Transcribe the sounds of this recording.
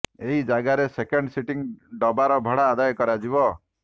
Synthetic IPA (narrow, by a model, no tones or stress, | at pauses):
eɦid͡ʒaɡaɾesekeɳɖsiʈiŋɖɔbaɾɔbʱɔɽaːd̪ajɔkɔɾad͡ʒibɔ